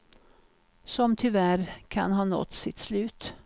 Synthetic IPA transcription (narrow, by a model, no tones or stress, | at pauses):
sɔmt̪ʰʏvæɾkʰa̰nɦɑːnɔ̰t̪ːsɪt̪ːslʉ̟ːt̪